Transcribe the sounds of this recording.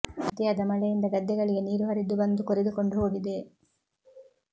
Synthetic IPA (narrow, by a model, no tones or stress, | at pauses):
ɐt̪iɐd̪ɐmɐɭɛjind̪ɐɡɐd̪ːɛɡɐɭiɡe̞niːɾuʋɐɾid̪ːubɐnd̪ukoɾed̪uko̞ɳɖuɦo̞ːɡid̪e̞